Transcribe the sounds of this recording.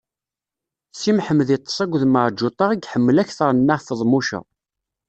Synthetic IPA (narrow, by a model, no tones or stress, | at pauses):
simħəmːəðit̪ˤːə̥sˤæɡʷðməʕˤd͡ʒːut̪ˤɑʁiɡħəmːəlæçθəɾˤnːaʁθəðˤmuʃæ̰